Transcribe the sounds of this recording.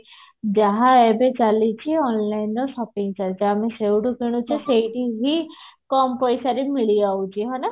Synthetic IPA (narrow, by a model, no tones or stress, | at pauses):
d͡ʒaɦãɛbet͡ʃalit͡ʃʰiɔnlainːɔsɔpĩŋɡt͡ʃaɾd͡ʒamẽsewʈukiɽ̃ut͡ʃʰiseʈiɦikɔmpɔjsaɾimiɭiaut͡ʃiɦɔna